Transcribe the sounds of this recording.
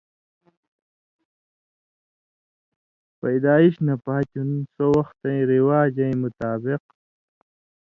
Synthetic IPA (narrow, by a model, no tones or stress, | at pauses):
pɐjd̪aːiɕnapaːt͡ɕunsowɐxt̪ɐ̃ĩɾiwaːd͡ʑɐĩmʊt̪aːbɪq